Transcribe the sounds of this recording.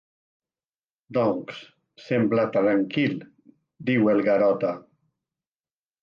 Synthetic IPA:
d̪ɔŋks | semblat̪ɾaŋkilˠ | d̪iwelˠɣaɾɔt̪a

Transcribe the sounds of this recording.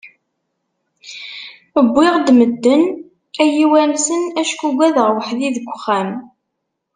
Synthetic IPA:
əbːɪʁd̪məd̪ːən | æjiwænsənæʃkuɡʷæðəʁwəħðiðəɡʷχːæm

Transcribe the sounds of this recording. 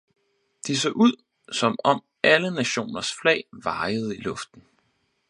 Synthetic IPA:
d̥is̬ɔ̰ːʔuð̞̰ˠ | sɒ̽mɒ̽m | ʔælənæɕo̝̰ːnɐsflɛ̰ːɪʋɑ̈ɪəð̞̩ˠəilɔ̽fd̥n̩

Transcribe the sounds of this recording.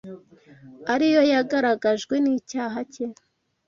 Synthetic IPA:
aɾijo̞jaɡaɾaɡaʒɡwe̞niːcaːɦace

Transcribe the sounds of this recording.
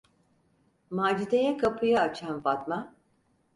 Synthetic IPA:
maːd͡ʒid̪ejɛkʰapʰɯjaːt͡ʃʰanfat̪ma

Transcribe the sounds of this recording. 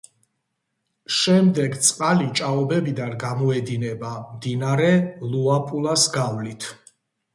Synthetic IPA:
ʃɛmd̪ɛɡt̪sʼqʼalit͡ʃʼaɔbɛbid̪anɡamɔɛd̪inɛbamd̪inaɾɛlˠuapʼulˠasɡavlit̪ʰ

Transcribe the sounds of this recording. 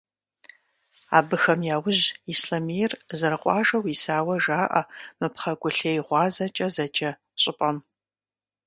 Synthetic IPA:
a̰ːbɨxɐmjaːwʊʑisɬɐmijɛrzɐɾɨqʷʼɑ̰ːʒɐwisaːwɐʒaːʔɐ̰mɨpχɐɡʷʊɬeːjʁʷɑːzɐt͡ʃʼɐzɐt͡ʃʼɐ | ɕʼɪpʼɐm

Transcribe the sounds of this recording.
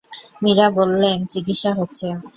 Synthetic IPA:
miɾabolːent͡ɕikitʃaɦotːɕʰe

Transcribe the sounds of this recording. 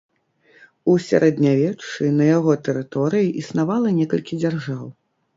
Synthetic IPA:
usʲa̰ɾʔɛd̪nʲavʲɛt͡ʂːɨnɐjaɣɔt̪ɛɾɨt̪ɔɾɨjiʔisnavalˠɐnʲɛkɐlʲkʲid͡zʲarʐaw

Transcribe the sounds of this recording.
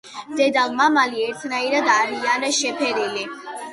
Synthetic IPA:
d̪̥ɛd̪alˠmamaliɛɾt̪ʰnaiɾad̪aɾianaʃɛpʰɛɾili

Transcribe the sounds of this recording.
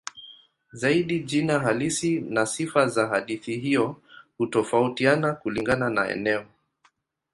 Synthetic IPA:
zaiɗiʄinaɦalisinasifazaɦaɗiθiɦiɔhutɔfautianakuliŋɡananaɛ̰nɛɔ

